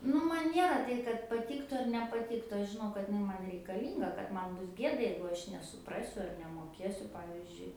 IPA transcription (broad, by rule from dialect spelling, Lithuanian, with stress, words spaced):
ˈnʊ mɐn ˈnʲiɛrɐ ˈtɐɪ kɐt pɐˈtʲiːktʊ ɐr nʲɛpɐˈtʲiːktʊ ˈɐʃ ʒʲɪˈnɐʊ kɐt ɪˈnɐɪ ˈmɐn rʲɛɪkɐˈlʲiːŋɡɐ kɐt ˈmɐn ˈbʊs ˈɡʲiɛdɐ jɛɪɡʊ ˈɐʃ nʲɛsʊˈprɑːsʲʊ ɐr nʲɛmoːˈkʲiɛsʲʊ ˈpɑːʋʲɪzʲd͡ʒʲʊɪ